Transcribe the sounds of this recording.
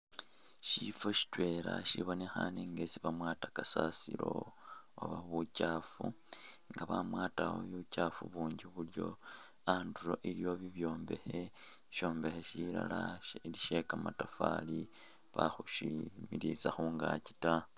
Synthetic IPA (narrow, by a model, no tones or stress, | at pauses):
ʃifoʃi̥twe̞ːɾaʃiβo̞ne̞xaneŋɡe̞siβamwaːtakasasiɾo̞̰ | o̰βaβucafu | ŋɡaβamwaːtawo̰jucafuβuːɲɟiβuljo̞ | anduɾo̞ʔiɾijo̞βiβjo̞ːmbe̞xe̞ | ʃo̞ːmbe̞xeʃiɾa̰laliʃe̞kamatafali | βaxuʃimiɾit͡saxuːŋɡaci̥ta